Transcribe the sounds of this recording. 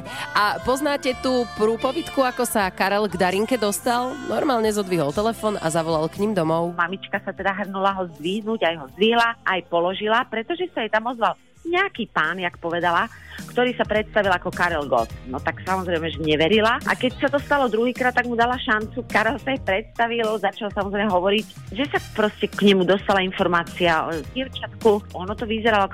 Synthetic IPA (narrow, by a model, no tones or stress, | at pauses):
apɔznaːcɛt̪uːpɾuːpɔʋit̪kuakɔsakaɾɛlɡd̪aɾiŋkɛd̪ɔst̪alnɔɾmaːlɲɛzɔd̪ʋiɦɔlt̪ɛlɛfɔːna̰zaʋɔlalkɲimd̪ɔmɔʊmamit͡ʃkasat̪ɛd̪aɦr̩nulaɦɔzd̪ʋiːɦnuɟajɦɔzd̪ʋiːɦlaʔajpɔlɔʒilapɾɛt̪ɔʒɛsajɛt̪amɔzʋal | ɲɛakiːpaːnjakpɔʋɛd̪alakt̪ɔɾiːsapɾɛt̪st̪aʋilakɔkaɾɛlɡɔ̰t̪nɔt̪aksamɔzɾɛjmɛʒɛɲɛʋɛɾilaʔa̰kɛcsat̪ɔst̪alɔd̪ɾuɦiːkɾaːt̪ːaɡmud̪alaʃant͡sukaɾɛlsajɛpɾɛt̪st̪aʋilzat͡ʃalsamɔzɾɛjmɛɦɔʋɔɾiɟ | ʒɛsapɾɔscɛkɲɛmud̪ɔst̪alainfɔɾmaːt͡siaɔ̰ɛvɟɛʊt͡ʃat̪kuʔɔnɔt̪ɔʋizɛɾalɔ